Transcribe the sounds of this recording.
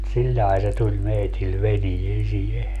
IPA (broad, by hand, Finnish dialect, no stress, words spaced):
silʲlɑi̯ se tulʲ meitil ʋeniesie